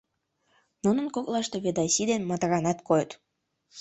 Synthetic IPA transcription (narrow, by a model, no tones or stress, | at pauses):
nunə̆nkoklɑʃt̪eβed̪ɑjsid̪enmɑt̪ɾɑnɑt̪kojt̪